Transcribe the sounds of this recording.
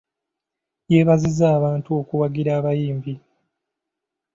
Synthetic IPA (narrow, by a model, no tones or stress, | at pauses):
je̞ːβazizaːβaːntuo̞kuwaɡiɾaːβajiːmbi